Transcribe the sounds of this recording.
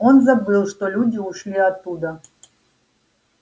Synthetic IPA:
onzɐbɨlˠʂt̪olʲudʲiuʂlʲiat̪ːud̪ə

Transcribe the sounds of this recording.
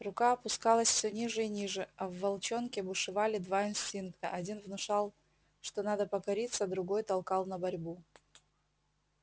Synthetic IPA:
rʊkaɐpʊskalˠəsʲfsʲonʲiʐɨinʲiʐɨɐvːɐlˠt͡ɕonkʲɪbʊʂɨvalʲɪd̪vaɪnsʲtʲinkt̪ə̰ʔɐdʲinvnʊʂalˠ | ʂt̪o̞nad̪əpɐkɐɾʲit̪səd̪ɾʊɡojt̪ɐlˠkɑlˠnɐbɐɾʲbu

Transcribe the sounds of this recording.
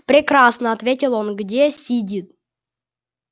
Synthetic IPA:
pɾʲɪkɾasnəat̪vʲetʲɪlˠonɡdʲesʲidʲit̪̚

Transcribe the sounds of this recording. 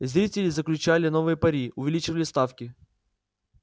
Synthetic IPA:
zɾʲitʲɪlʲɪzəklʲʉt͡ɕælʲɪno̞vɨjəpɐɾʲiʊvʲɪlʲit͡ɕɪvəlʲɪst̪afkʲɪ

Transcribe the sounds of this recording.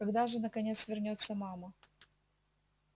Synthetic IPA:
kɐɡd̪aʐɨnəkɐnʲe̞t̪svʲɪrnʲot̪sːəmamə

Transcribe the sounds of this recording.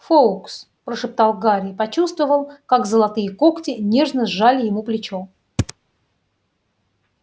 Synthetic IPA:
foks | pɾəʂɨp̚t̪alˠɡaɾʲɪpɐt͡ɕust̪vəvəlˠkakzəlˠɐt̪ɨjəko̞ktʲɪnʲe̞ʐnəʐalʲɪjɪmuplʲɪt͡ɕo

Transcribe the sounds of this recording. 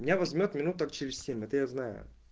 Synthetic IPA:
mʲɪnʲavɐzʲmʲo̞t̪mʲɪnut̪ʊt̪ak̚t͡ɕɪɾʲɪsʲsʲemʲɛt̪əjaznajʊ̰

